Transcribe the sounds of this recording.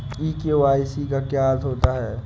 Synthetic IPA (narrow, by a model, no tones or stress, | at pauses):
iːkeʋaːisikakjaːt̪ɦoːt̪aɦɛː